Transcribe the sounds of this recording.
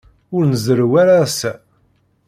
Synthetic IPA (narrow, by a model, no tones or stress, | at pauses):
ʊɾnəzəɾwaɾasæ